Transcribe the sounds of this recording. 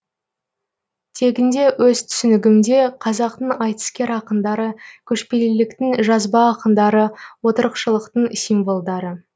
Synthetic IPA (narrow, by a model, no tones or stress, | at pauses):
t̪ʰe̞ɡʲɪnd̪e̞wɵz̥t̪ʰʏ̥sʏnɪɡʲɪmd̪e̞qʰɑzɑq̚t̪əɴɑjt̪ə̥skʲe̞ɾɑqənd̪ɑɾəkʲʰɵʃpe̞lɪlɪkt̪ɪŋʒɑzbɑːqənd̪ɑɾəwo̞t̪əɾəqʃəlˠəqt̪əɴsijmvo̞lˠd̪ɑɾə